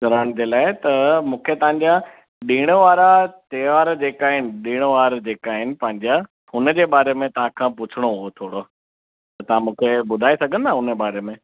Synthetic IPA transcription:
kɐɾəɽ̃d͡ʑeːlaːɪt̪ɐmũːkʰet̪ɐɦãɲd͡ʑa | ɗiːɽ̃ʋaːɾat̪eʋaːɾd͡ʑeːkaːɦɪnɪ̆ɗĩːɽ̃əʋaːɾd͡ʑeːkaːɦɪnɪ̆pɐ̃ɦɪ̃ɲd͡ʑa | hʊnə̆d͡ʑeːɓaːɾemẽt̪ɐʋ̤ãkʰãːp̬ʊt͡ɕʰɪɽ̃oɦot̪ʰoːɽo | t̪ɐt̪ɐʋ̤ãmũːkʰeɓʊd̪ʱaːesɐɡʱə̃n̆d̪aɦʊnəɓaːɾemẽ

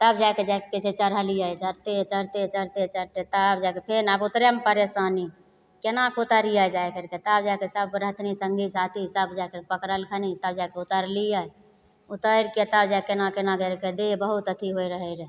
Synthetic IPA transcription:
t̪əbd͡ʒajked͡ʒajkeket͡ʃʰet͡ʃəɾəlijəjt͡ʃəɾt̪et͡ʃəɾt̪et͡ʃəɾt̪et͡ʃəɾt̪et̪əbd͡ʒajkepʰenabut̪ɾempəɾesani | kenakot̪əɾijəd͡ʒajkəɾket̪əbd͡ʒajkesəbɾəɦt̪ʰnisəŋɡʱisat̪ʰisəbd͡ʒajkəɾpəkɾəlkʰənit̪əb̚d͡ʒajkeut̪əɾlijə | ut̪əɾket̪əbd͡ʒakenakenakəɾked̪ebəɦut̪ət̪ʰiɦojɾəɦəɾe

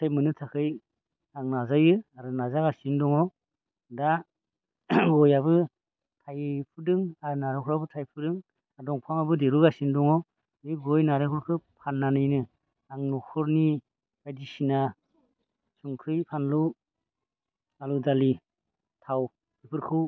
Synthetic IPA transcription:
sajmɯnɯtʰakʰɯj | aŋnazajɯaɾɯnazaɡasindɔŋɔ | da | ɡɔjaβɯ | tʰajpʰɯdɯŋaɾnaɾaŋkʰɔɾabɯtʰajpʰudɯŋ | adɔŋpʰamabɯdeɾuɡasindɔŋɔ | ɯɡɔjnaɾaŋkʰɔɾkʰɯpʰanːanɯjnɯ | aŋnɔkʰɔɾni | ajdisina | suŋkʰɯjpʰanlu | aludali | tʰaw | bipʰɯɾkʰɯ

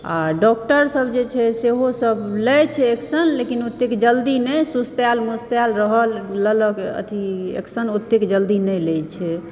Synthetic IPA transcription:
a̰ɖɔk̚ʈəɾsəbd͡ʒet͡ʃʰɛseɦosəblɛjt͡ʃʰɛːksənlekinut̪ːekd͡ʒəld̪inɛsust̪jalmust̪jalɾəɦəlːələkə̰t̪ʰiḛksənut̪ːekd͡ʒəld̪inɛjlɛjt͡ʃʰɛ

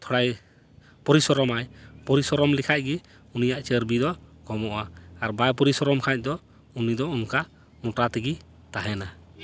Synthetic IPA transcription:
t̪ʰɔɽaj | pɔɾisɔɾɔmajpɔɾisɔɾɔmlikʰac̚ɡi | unijaʔt͡ʃəɾbid̪ɔɡɔmɔʔaːɾbajpɔɾisɔɾɔmkʰaɲ̚ˀd̪ɔ | unid̪ɔunka | mɔʈat̪ɛɡi | t̪aɦɛna

